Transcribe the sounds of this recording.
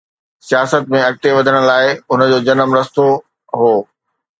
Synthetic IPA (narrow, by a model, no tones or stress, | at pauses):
sijaːsət̪̚mẽɐk̚t̪eʋɐd̪ʱəɽ̃̆laːɪʊnəd͡ʑoːd͡ʑɐnəmɾɐst̪o | ɦoː